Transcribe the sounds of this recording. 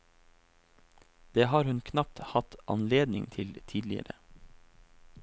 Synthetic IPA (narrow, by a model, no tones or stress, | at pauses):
d̪̥eːhɑːɾhʉnkʰnɑp̚t̪hɑt̪ʔɑ̰nleːd̪nɪ̰ŋt̪ʰɪlt̪ʰiːd̪lɪ̰ə̰ɾə̰